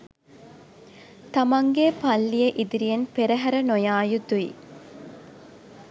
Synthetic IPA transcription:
t̪ɐmɐŋɡepɐlːijeʔid̪iɾijɐnpeɾɐɦɐɾɐnojaːjud̪uḭ

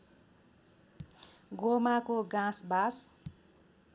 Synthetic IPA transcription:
ɡomakoɡãsbas

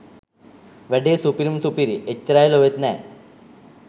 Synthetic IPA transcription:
ʋɛɖeːsupiɾumsupiɾiet͡ɕːɐɾaːjiloʋet̪nɛː

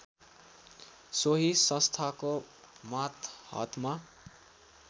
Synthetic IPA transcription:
soɦisʌ̃st̪ʰako | mat̪hʌ̰t̪ma

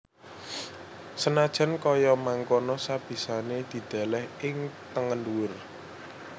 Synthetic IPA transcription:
sənad̥ʒ̥a̤nkɔjɔmaŋkonɔsab̥i̤saned̪̥i̤d̪̥a̤lɛhɪŋt̪əŋənduwʊr

